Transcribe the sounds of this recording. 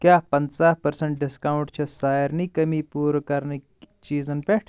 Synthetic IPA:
kjaːpɐnt͡saːhpɐɾsɐɳʈ̚ɖiskawuɳʈt͡ʃʰɐsaːjɾnikɐmiːpuːɾkɐɾni | t͡ʃiːzɐnpeʈʰ

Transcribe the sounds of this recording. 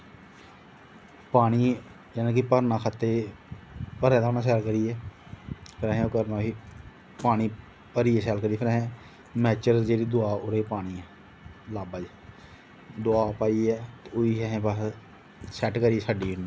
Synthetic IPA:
paːɽ̃iː | d͡ʒɛːnãːk̬ɪpəɾnãːkʰat̪ːeː | pəɾɛ̃ːt̪anãːs̬ɛːlkəɾiːɛː | pʰɪɾɛ̃ːɦẽkəɾnaːɦiː | paːniː | pəɾiːeːsɛːlkəɾiːpʰɪɾɛ̃ | mɛːt͡ʃəɾd͡ʒeːɽiːd̪ʊaːʊɾeːpaːɽ̃iːɛː | laːbəd͡ʒ | d̪ʊaːpaːiːɛːt̪ːoiːɦɛːɦẽːba | sɛːʈkəɾiːeːsaːɖiːɪnː

